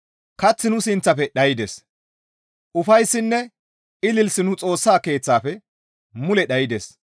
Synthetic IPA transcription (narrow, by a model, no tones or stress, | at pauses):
kɐt͡sːɪnʊsɪnt͡sːɐfɛɗɐjɪd̪es | ʔʊfɐjsːɪnːɛ | ɪlɪlsɪnʊt͡sʼo̞ːsːaːke̞ːt͡sːaːfɛ | mʊlɛɗɐjɪd̪es